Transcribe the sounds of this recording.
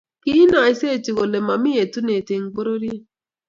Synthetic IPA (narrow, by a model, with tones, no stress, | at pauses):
ki˦na˨i˦se˦˨ti˨ɣo˨le˨ma˨mi˦je˨tu˦ne˨te˨ŋ̩˨ɡ͡bo˦ɾo˦ɾi˦